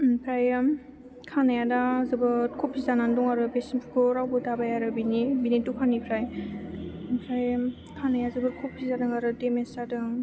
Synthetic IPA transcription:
npʰɾaj | kʰanajadazɯbɯɾkʰupʰːizananduŋaɾɯbesinpʰkʰɯɾawbɯtabajaɾɯbinibinitukʰanipʰɾaj | pʰɾaj | kʰanajazɯbɯɾkʰupʰːizadɯŋaɾɯdemestadɯŋ

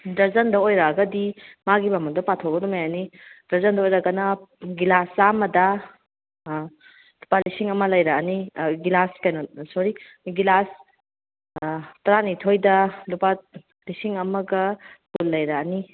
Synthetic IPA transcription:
dɐɾzɐndɐojɾɐɡɐdimaɡibamɐdopatʰoɡɐdumajanid̥ɐɾzɐndɐojɾɐɡɐnɐɡilasamɐdɐ | lupalisiŋɐmɐlɐjɾɐːniɡilaskajnosɔɾi | ɡilas | tɐɾanitʰojdɐlupa | lisiŋɐmɐɡɐkulːɐjɾɐːni

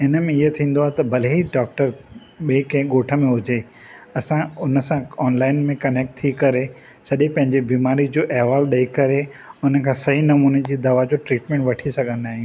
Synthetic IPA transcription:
ɪnəmẽɪɦət̪ʰĩːn̆d̪oaːɦet̪ɐbʱɐleiɖɔːk̚ʈəɾ | ɓeːkɐ̃ɦɠoːʈʰə̆mẽɦʊd͡ʑe | ɐsãʊnə̆sãɔːnlaːɪnmẽkɐneːk̚ʈ̚t̪ʰikɐɾe | sɐɗẽpɐ̃ɦɪ̃ɲd͡ʑebiːmaːɾid͡ʑoːʔɛɦʋaːlɗɐikɐɾe | ʊnə̆kʰãːsɐɦinɐmuːned͡ʑiːd̪ɐʋad͡ʑoːʈɾiːʈmẽːɳʈʋɐʈʰisɐɡʱə̃nd̪aːɦij̃ũː

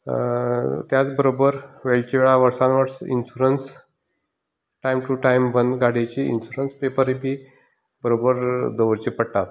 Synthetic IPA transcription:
t̪jat͡sbəɾobəɾʋeɭʈiʋeɭaʋəɾsãnʋəʈsḭnɕuɾəns | ʈajmʈuʈaimʋənɡaɽet͡ɕiḭnɕuɾənspepəɾipi | bəɾobəɾd̪əʋəɾt͡ɕipəɽt̪at̪

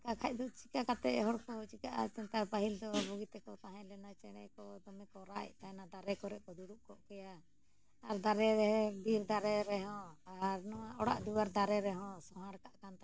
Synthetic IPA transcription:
kakʰac̚d̪uʔt͡ʃikakat̪ɛ̰ʔɦɔɽkɔt͡ʃikaʔa̰t͡ʃɛnt̪apaɦild̪ɔbɔɡit̪ɛkɔt̪aɦãlɛnat͡ʃɛɽ̃ɛ̰kɔd̪ɔmɛkɔɾaʔɛ̰ʔt̪aɛnad̪aɾɛkɔɾɛʔkɔd̪uɽuʔkɔʔkɛja | aɾd̪aɾɛɾɛɦɛbiɾd̪aɾɛɾɛɦɔ̃aɾnɔwaʔɔɽa̰ʔd̪uwaɾd̪aɾɛɾɛɦɔ̃sɔɦãɽkaʔkant̪a

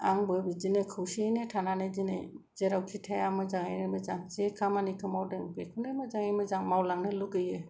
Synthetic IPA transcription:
aŋbɯbizinɯkʰɯwsienetʰananɯzinḛ | zeɾawkʰitʰajamɯzaŋajnɯmɯzaŋzekʰamanikʰɯmawdeŋbekʰunɯmɯzaŋajmɯzaŋmawlaŋnɯluɡɯjɯ

